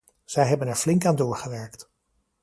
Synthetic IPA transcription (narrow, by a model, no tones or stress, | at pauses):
z̥ɛjɦɛbənɛɹvlɪŋkaːndʊːɹχəʋɛɹkt